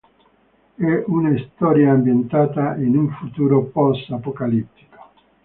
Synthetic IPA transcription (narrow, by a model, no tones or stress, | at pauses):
ɛʔunaist̪ɔːɾjaambjent̪aːt̪ainuɱfut̪uːɾopɔsapokalit̪ːi̥ko̥